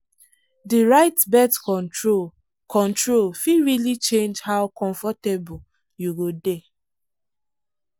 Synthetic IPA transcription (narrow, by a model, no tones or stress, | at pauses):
diɹaɪtbɛtkɔ̃ntɹo | kʰɔ̃ntɹolfiɹilit͡ʃẽnd͡ʒhaʊkɔ̃ɱfɔtebɔ | juɡode